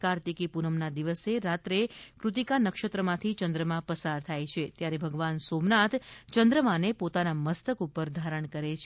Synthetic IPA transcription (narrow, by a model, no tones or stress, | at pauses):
kaɾt̪ikipunəmnad̪iʋəseɾat̪ɾekɾʊt̪ikanəkʃət̪ɾəmãt̪ʰit͡ʃənd̪ɾəmãpəsaɾt̪ʰajt͡ʃʰet̪jaɾebʱəɡʋansomnat̪ʰt͡ʃənd̪ɾəmanepot̪anaməst̪əkupəɾd̪ʱaɾəɳ̃kəɾet͡ʃʰ